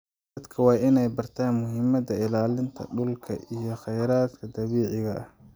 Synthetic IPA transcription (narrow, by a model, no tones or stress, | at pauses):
d̪ɐd̪kʰɐwɑːʔɪnɛjbɐrt̪ʰaːnmʊɦɪmɐd̪ɐɪlaːlɪnt̪ʰɐ̰ɖʊlkʰɐ̰ʔijɞχɛjɾaːd̪kʰɐd̪ɐβiːʕɪɣɐʔɐh